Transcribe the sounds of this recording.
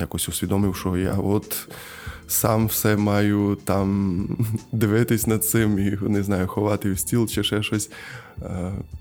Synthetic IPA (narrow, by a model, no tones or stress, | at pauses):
jakɔsʲʊsʲʋʲid̪ɔmɪwʃɔja̰ɔt̪ | samwsɛmɑjʊt̪am | d̪ɪʋɪt̪ɪsʲnɐd̪̚t̪sɪmineznɑjʊxɔʋɑt̪ɪwsʲtʲilˠt͡ʃɛʃɛʃɔsʲ